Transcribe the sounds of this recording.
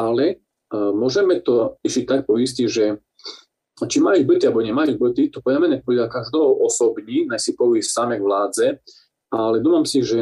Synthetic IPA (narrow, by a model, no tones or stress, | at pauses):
alɛ | mʊɔʒɛmɛt̪ɔiʃic̚t̪ak̚pɔisciʒɛ | t͡ʃimajub̩t̪ialbɔɲɛmajub̩t̪it̪ɔpɔdamɛnɛpɔd̪lakaʒd̪ɔɦɔʔɔsɔbɲinasipɔissamɛɡʋlaːd͡zɛ | ʔalɛd̪uːfamsiʒɛ